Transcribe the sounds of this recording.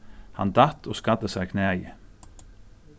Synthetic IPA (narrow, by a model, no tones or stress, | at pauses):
hɑ̰nd̪ɑt̪oːskad̪əsæɪkʰneːjə